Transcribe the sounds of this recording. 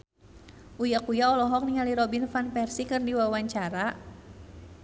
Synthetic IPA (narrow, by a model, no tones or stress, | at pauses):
ʔujakujaɔlɔɦɔk̚niŋaliɾɔbinfanpɛrsikɨrdiwawaɲt͡ʃaɾa